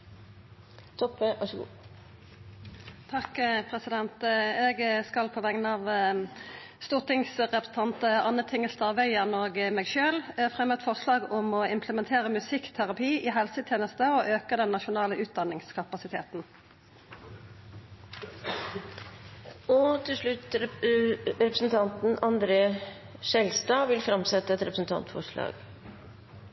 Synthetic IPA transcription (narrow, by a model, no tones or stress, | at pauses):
t̪ʰɔpəʔɑʂɡṵː | t̪ʰɑkpʰʁɛsɪd̪ɛnt̪ɛɡskɑlpʰɔʋæŋnɑʋ | st̪uːʁt̪ʰɪŋsʁɛpəsət̪ʰɑnt̪əɑnːəʁt̪ʰɪŋːəlt̪əɑʋœʏəʁnoːɡmeːɡʃøːlfʁɛmːət̪fɔʁslɑːɡʊmɔɪmpʰləmɛnt̪ʰeːʁəmʉsɪkːt̪ʰæʁɑpʰiːʔiːɦɛlsət̪ʰjeːnəst̪əɔʔøːkəd̪ɛnːɑʃʊnɑːləʔʉːt̪̚d̪ɑnɪŋskʰɑpɑsɪt̪ʰḛːt̪n̩ | ɔt̪ʰɪlʂɭʉt̪ | ɾɛpɾəsn̩t̪ʰɑnt̪n̩ɑnd̪ɾeː | ʃɛlst̪ɑːʋɪlfɾɑmsɛt̪ːəɛt̪ɾɛpɾəsn̩t̪ʰɑ̰nt̪fɔ̰ʂɭɑ̰ːɡ̥